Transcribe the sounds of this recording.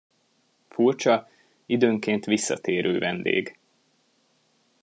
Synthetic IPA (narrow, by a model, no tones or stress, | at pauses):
furt͡ʃɒ | id̪øːŋkeːnt̪ʋisːɒ̰t̪eːɾʔøːvɛnd̪ḛːɡ